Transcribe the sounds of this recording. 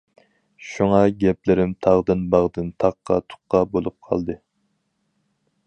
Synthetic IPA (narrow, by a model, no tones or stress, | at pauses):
ʃuŋɑɡʲɛplɪɾɪmt̪ʰɑʁd̪ɨnbɑʁd̪ɨnt̪ʰɑqːɑ̰t̪ʰʊ̥qːɑbolˠup̚qʰɑ̰lˠd̪ɨ